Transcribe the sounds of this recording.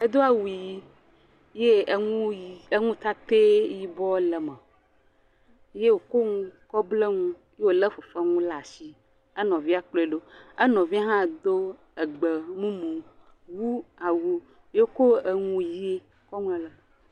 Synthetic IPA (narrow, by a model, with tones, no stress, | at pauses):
e˦d̪o˦a˨wu˨ji˦ | je˦ũ˦˨e˦ŋũ˦t̪a˦t̪e˦ji˦bɔ˦lə˨mɛ˨˦ | je˦wo˨ko˦ŋũ˦kɔ˦ble˦ŋũ˦je˦wo˨lə˦fo˨fa˦ŋũ˦la˨si˦ | ɛ˦nɔ̃˨vi˦a˨k͡plo˦e˨ɖo˦ɛ˦nɔ̃˨vi˦a˦ɦã˦˨d̪o˦ | ɛ˨ɡ͡bə˨mũ˦mũ˨ | wu˦a˨wu˦ | je˦ko˦e˨ŋũ˦ji˦e˦ | kɔ˦ŋũ˦ɛ˨lə˨